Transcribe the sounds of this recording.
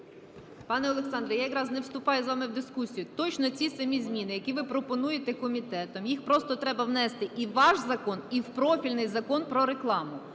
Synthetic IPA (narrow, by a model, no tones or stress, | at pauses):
pɑnɛɔlˠeksɑnd̪ɾɐjajɐkɾɑznɛwst̪ʊpɑjʊzʋɑmɪwd̪ɪskusʲijʊt̪ɔt͡ʃnɔt͡sʲisɐmʲizʲmʲinɪjɐkʲiʋɪpɾɔpɔnujet̪ɛkɔmʲit̪ɛt̪ɔmjixpɾɔst̪ɔt̪ɾɛbɐwnɛst̪ɪʔiʋɑʃzɐkɔniwpɾɔfʲilʲnɪjzɐkɔnpɾɔɾeklˠɑmʊ